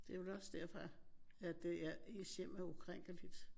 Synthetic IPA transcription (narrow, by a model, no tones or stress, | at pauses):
d̥e̝ʋelɒ̽sd̥æɐfʁɑæd̥e̝æɐesem̰æɒkʰʁeŋ̰ɡ̥əlid̥